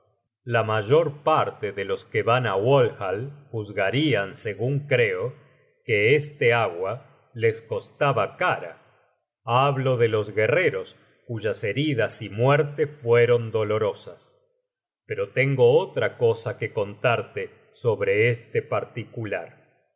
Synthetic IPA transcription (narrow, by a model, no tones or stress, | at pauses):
lamaʒo̞ɾpaɾt̪eðelo̞skeβanawolxalxuzɣaɾianse̞ɣuŋkɾe̞o̞ | keest̪eaɣwa | le̞sko̞st̪aβakaɾa̰ | aβloðelo̞zɣe̞reɾo̞s | kuʒase̞ɾiðasimweɾt̪efwe̞ɾo̞nd̪o̞lo̞ɾo̞sas | peɾo̞t̪e̞ŋɡo̞ot̪ɾako̞sake̞ko̞nt̪aɾt̪e | so̞βɾe̞est̪epaɾt̪ikulaɾ